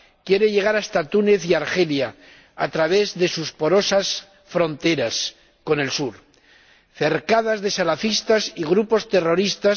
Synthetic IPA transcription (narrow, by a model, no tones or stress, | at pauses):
kje̞ɾe̞ʎe̞ɣ̞aɾaest̪at̪une̞θiaɾxe̞lja | at̪ɾaβ̞e̞zðe̞suspo̞ɾo̞sas | fɾo̞nt̪e̞ɾas | ko̞ne̞lsuɾ | θe̞ɾkaðazðesalafist̪asiɣɾupo̞st̪e̞ro̞ɾist̪as